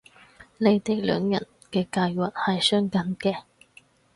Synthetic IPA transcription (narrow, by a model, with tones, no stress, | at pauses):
le˨˧jt̪e˨˩k̚lœ̰ː˨˧ŋjɐ̰˨˩n | kɛː˧kaː˧jwɐ˨t̚hɐ˨jsœː˥ŋkɐ˨˥nkɛː˧